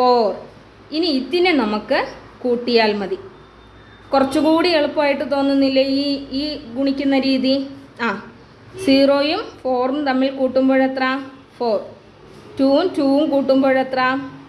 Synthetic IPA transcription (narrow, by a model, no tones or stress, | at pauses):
foːr | iniːt̪ːinenɐmukːɨ | kuːʈːijaːlmɐði | kurɐt͡ɕːukuːɽieɭupːaːjiʈːɨt̪o̞ːnːunːilːɐiiːɡuɳikʲːunːɐɾiːði | aː | siːroːjumfo̞ːrnɨt̪ɐmːilkuːʈːumboːɻet̪raː | foːr | tuːumtuːʋumkuːʈːumbo̞ːɻet̪raː